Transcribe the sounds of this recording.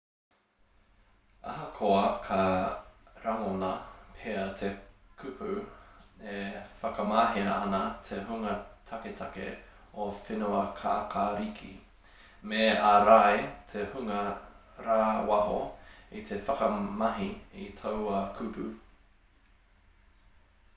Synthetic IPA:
ɐ̰ɦɐkʰoɐkʰɐ | ɾaŋonɐpʰeɐt̪ʰekʰʉpʰʉ | efɐkɐmaːɦiɾɐ̰ɐnɐt̪ʰeɦuŋɐtʰɐket̪ʰɐkḛ | ofinuɐkʰaːkʰaɾikʰḭ | meaɾaetʰehuŋɐ | ɾaːwɐho̰it̪ʰefɐkɐmɐɦiitʰowɐkʰʉpʰʉ

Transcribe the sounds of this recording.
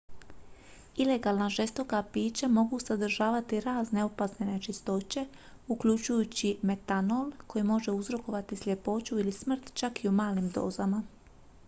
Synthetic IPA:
ile̞ɡaːlˠnaʒe̞st̪o̞kapiːt͡ɕamo̞ɡusad̪r̩ʒaːʋat̪iɾaːzne̞opasnene̞t͡ʃist̪o̞t͡ɕe̞ | ukʎut͡ʃujut͡ɕime̞t̪ano̞lko̞jimo̞ʒe̞uzɾo̞ko̞ʋat̪islʎʲe̞po̞ːt͡ɕuilismr̩t̪t͡ʃakiumaːlimd̪o̞̰ːzama

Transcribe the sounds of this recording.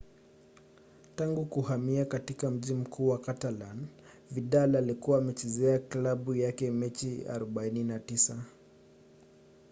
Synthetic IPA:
taŋɡukuhamiakatikam̩ʄim̩kʰuːwakatalan | viɗalaːlikuwaːmɛt͡ʃɛzɛaklaɓujakɛmɛt͡ʃia̰ɾɔɓaininatisa

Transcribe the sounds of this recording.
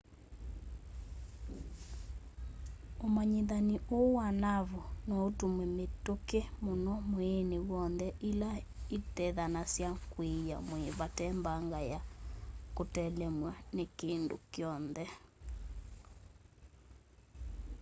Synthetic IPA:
omaɲeðaniʔowanaβonɔotumwɛmetokemonɔmoenewɔnðɛʔilaetɛðanasjakweja̰moeβatɛmbaŋɡajakotɛlɛmwanekendo̰kjɔnðɛ

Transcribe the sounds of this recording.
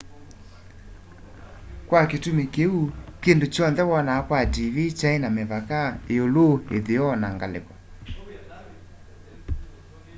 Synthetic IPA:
kwaketumekeukendot͡ʃɔnðɛwɔnakwadiβit͡ʃaenameβakaeoloḛðeɔnaŋɡalḛkɔ

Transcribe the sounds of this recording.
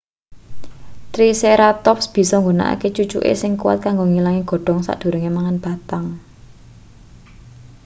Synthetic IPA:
t̪ɾiseɾat̪ɔpsb̥i̤sɔŋɡona̰ʔa̰ket͡ʃu̥t͡ʃṵʔḛsɪŋkuwa̰t̪̚kaŋɡoŋilaŋiɡ̥ɔ̤ɖ̥ɔ̤ŋsa̰ʔd̪̥ṳɾəŋemaŋanb̥a̤t̪aŋ

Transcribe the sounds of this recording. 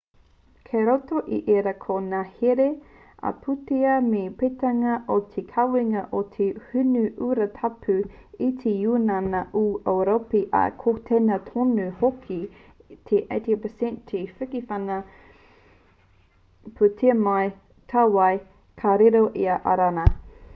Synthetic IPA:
kʰeɾotoʔiʔeɾɐkʰonaheɾe | ɐ̰pʰuteɐmepetɐŋɐʔot̪ʰekʰɐwiŋɐʔot̪ʰehʉnʉʔuɾɐtʰɐpʰʉit̪ʰejunanɐʔuʔoɾopiʔɐ̰kʰotʰenɐtʰonʉhokʰi | tʰeʔeɪtipəsɛ̃ntʰefɨkifɐnɐ | pʰutʰeɐmaj | tʰawaj | kʰaɾeɾoʔiɐʔa̰ɾanɐ

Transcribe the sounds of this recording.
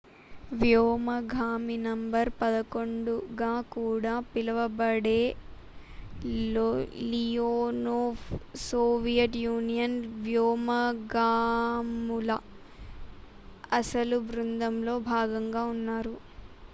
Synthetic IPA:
ʋjɔːmɐɡʱaːminɐmbɐɾpɐd̪ɐkoɳɖuɡaːkuːɽaːpilɐʋɐbɐɽeː | lijoːnoːfsoːʋijɐʈjuːnijɐnʋjoːmɐɡaːmulɐ | ɐsɐlubɾund̪ɐmlo̞ːbʱaːɡɐŋɡaːunːaːɾu

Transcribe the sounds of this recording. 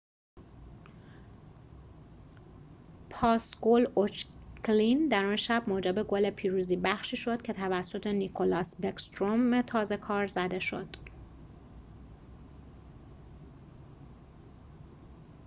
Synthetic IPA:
pʰɒːsɡolot͡ʃklind̪æɾɒnʃæbmoːd͡ʒebe̞ɡole̞pʰiːɾuːziːbæxʃiːʃo̞d̪̥̚cʲʰe̞t̪ʰævæsːo̞t̪ʰe̞nikʰolɒsbekst̪ɾomet̪ʰɒːze̞kʰɒːɾzæd̪e̞ʃo̞̰d̪̥

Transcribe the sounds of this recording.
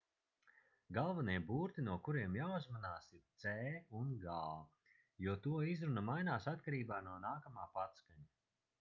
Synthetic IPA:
ɡalˠvaniɛbuːɾt̪inuɔkuɾiɛmjauzmanaːsiɾt̪sɛːunɡaː | juɔt̪uɔizɾunɐmajnaːsat̪̚kaɾiːbaːnuɔnaːkamaːpat̪skaɲa

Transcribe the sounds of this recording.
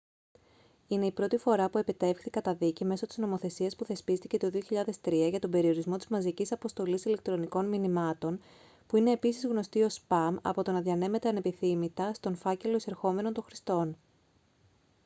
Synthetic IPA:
ine̞ipɾo̞t̪ifo̞ɾɐpue̞pit̪e̞fxθikɐt̪ɐðicime̞so̞t̪izno̞mo̞θe̞siɐspuθe̞spist̪ice̞t̪o̞ðio̞çiʎɐðe̞st̪ɾiɐʝɐt̪o̞mbe̞ɾio̞ɾizmo̞t̪izmɐzicisɐpo̞st̪o̞lisile̞k̚t̪ɾo̞niko̞nminimɐt̪o̞n | puine̞ːpisizɣno̞st̪io̞spɐmɐ̰po̞t̪o̞nɐðʝɐne̞me̞t̪eɐne̞piθimit̪ɐst̪o̞nfɐce̞lo̞ise̞ɾxo̞me̞no̞nt̪õ̞xɾist̪o̞n

